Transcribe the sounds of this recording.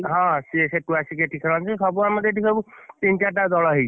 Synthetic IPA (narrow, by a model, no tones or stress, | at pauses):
ɦɔ̃sieseʈuasikeʈʰikʰalɔnt͡ʃisɔbuamɔd̪ʱeʈikʰɔbut̪int͡ʃaʈad̪ɔɭɔɦej